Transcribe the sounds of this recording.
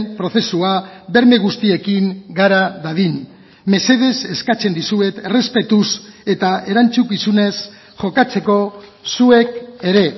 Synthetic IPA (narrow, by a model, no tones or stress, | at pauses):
mpɾo̞θe̞suaβe̞ɾme̞ɣ̞ust̪ie̞kiŋɡaɾaðaðin | me̞se̞ð̞e̞se̞skat͡se̞nd̪isue̞t̪ere̞spe̞t̪use̞t̪ae̞ɾant͡sukisune̞s | ʝo̞kat͡se̞ko̞sue̞ke̞ɾe̞